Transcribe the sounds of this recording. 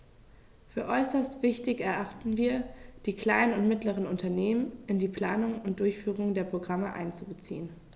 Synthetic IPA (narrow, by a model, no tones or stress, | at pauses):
fyːɐʔɔʏsɐstv̥ɪçtɪçɛɐʔaχtn̩viːɐd̥iːkl̥aɪnənʊntmɪtləʁ̞ənʊntɐneːmənʔɪndiːpl̥aːnʊŋʊnt̚d̥ʊɐçfyːʁ̞ʊŋdeːɐpʁ̥oɡʁaməʔa̰ɪnt͡subət͡sḭːən